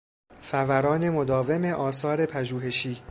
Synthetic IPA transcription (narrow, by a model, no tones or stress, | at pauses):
fævæɾɒːne̞mod̪ɒːve̞me̞ʔɒːsɒːɾe̞pʰæʒuːɦe̞ʃiː